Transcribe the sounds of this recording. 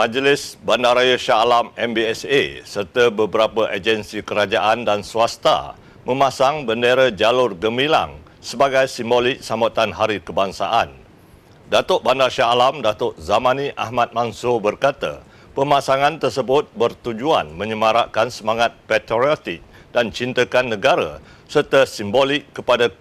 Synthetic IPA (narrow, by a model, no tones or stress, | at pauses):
mãd͡ʒlɪsbandaɾajəʃalamɛmbiɛsesərt̪əbəbəɾapəʔad͡ʒənsikəɾad͡ʒaʔandansuast̪a̰ | mə̃mãsaŋbəndeɾəd͡ʒalʊrɡəmila̰ŋ | səbaɡajsimboliʔ̚samat̪anɦaɾikəbaŋsa̰ʔan | dat̪ɔʔ̚bandarʃaalamdat̪ʊʔ̚zamãniʔahmat̪̚mansʊhbərkat̪ə̰ | pəmasaŋant̪ərsəbʊt̪̚bərt̪ud͡ʒua̰nmə̃ɲəmaɾaʔkansəmaŋat̪̚pɛt̪ɾiot̪ɪk̚dant͡ʃint̪əkanːə̃ɡaɾə̰ | sərt̪əsimbolɪkːəpada